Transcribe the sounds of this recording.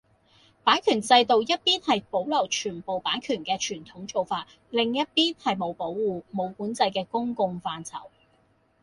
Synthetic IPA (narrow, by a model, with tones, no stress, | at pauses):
paː˨˥nkʰyː˨˩nt͡sɐ˧jt̪o˨wjɐ˥t̚piː˥nhɐ˨jpo˨˥wlɐ˨˩wt͡ʃʰyː˨˩npo˨wpaː˨˥nkʰyː˨˩nkɛː˧t͡ʃʰyː˨˩nt̪ʰʊ˨˥ŋt͡so˨wfaː˧t̚ | lɪ˨ŋjɐ˥t̚piː˥nhɐ˨jmo˨˧wpo˨˥wːuː˨mo˨˧wkuː˨˥nt͡sɐ˧jkɛː˧kʊ˥ŋkʊ˧ŋfaː˧nt͡sʰɐ̰˨˩w